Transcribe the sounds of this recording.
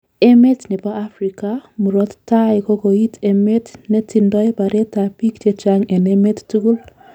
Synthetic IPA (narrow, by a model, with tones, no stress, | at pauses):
e˦me˦tne˨ba˦a˦fɾi˨kamu˨ɾɔ˦t̪ta˦jko˦ɡo˨i˦tʰe˨me˦tne˦ti˨ndɔ˦jba˨ɾe˦ta˨pi˦ktje˦t͡ʃaŋe˨ne˦me˦ttu˦ɡu˦l